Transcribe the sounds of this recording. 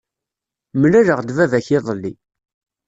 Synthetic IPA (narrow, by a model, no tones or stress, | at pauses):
mlæɾəʁd̪vævæçɪðˤəlːḭ